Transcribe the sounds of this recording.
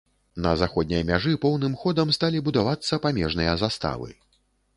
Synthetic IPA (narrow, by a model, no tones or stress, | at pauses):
nɐ̰zaxɔd̪̚ʲnʲɐjɐmʲaʐɨpɔwnɨmxɔd̪ɐmst̪alʲibud̪avat̪sːɐpamʲɛʐnɨjɐzast̪a̰vɨ̰